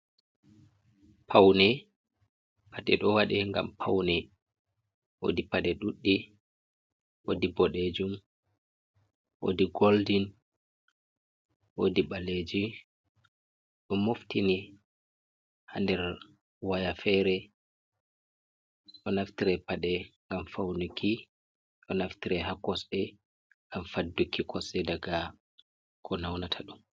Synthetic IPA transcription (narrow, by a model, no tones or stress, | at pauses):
pʰawnɛ | paɗɛɗɔwaɗɛŋɡa̰mpʰawnɛ | ʔo̰dipaɗɛɗuɗːi | ʔo̰dibɔɗed͡ʒum | ʔo̰diɡoldin | ʔodiɓaled͡ʒi | ɗɔmoftini | ha̰ndɛɾ | wajafɛɾɛ | ɗɔnaftiɾɛpaɗɛŋɡamfawnukʰi | ɗɔnaftiɾɛɦakːɔsɛ | ŋɡamfadːukʰːikʰɔsɛdaɡa | kʰɔnawnatʰaɗum